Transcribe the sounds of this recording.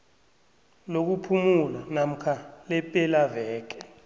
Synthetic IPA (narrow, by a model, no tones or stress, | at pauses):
lok̬upʰumulanam̩kʰalɛpʼɛlavɛːk̬ɛ̥